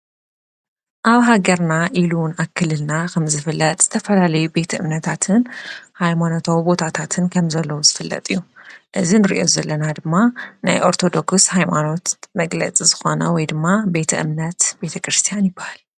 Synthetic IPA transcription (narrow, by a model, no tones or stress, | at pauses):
ʔaβɦaɡɐɾnaʔilunaβkʰːɨlːɨlnakʰɐmzɨfɨlːɐt̪ʼz̥ɨt̪ʰɐfɐlalɐjube̞t̪ʰɐʔɨmnɐt̪ʰat̪ʰɨnhajmano̞t̪ʰaβbo̞t̪ʰat̪ʰat̪ʰɨnkʰɐmzɐlːɐwuzɨfɨlːɐ̰t̪ʼɨjːuʔɨzinɨɾḭʔo̞̰zɐlːɐnad̪ɨmːana̰jʔo̞ɾt̪ʰo̞d̪o̞kshajmano̞t̪mɐɡlɐ̰t͡sʼizɨxo̞nɐ̰wɔjd̪ɨmːabe̞t̪ʰɐʔɨ̰mnɐt̪be̞t̪ʰɐkɾɨst̪ʰijanjɪbːahal